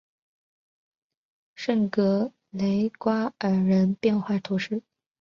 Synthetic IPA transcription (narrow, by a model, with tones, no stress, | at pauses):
ʂə˥˩ŋkɤ˧˥ | le˧˥ɪkwa˥ə˨˩ɻə˧˥npjɛ˥˧nxwa˥˩t̪ʰu˧˥ʂɻ̩˥˩